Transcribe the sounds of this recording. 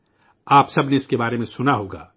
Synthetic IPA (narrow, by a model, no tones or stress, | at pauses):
aːpsɐbneɪskebaːɾemẽsʊnaɦoːɡa̰ː